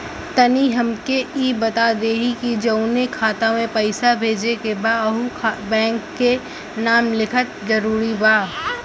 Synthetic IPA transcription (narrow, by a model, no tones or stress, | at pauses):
t̪ɐniɦɐmkeiːbɐt̪ad̪eːɦikid͡ʒɐʊnekʰaːt̪amẽpɐɪsabʱeːd͡ʒekebaːɦukʰbɛ̃ːŋkːe | naːmlɪkʰət̪̚zɐɾuːɾibaː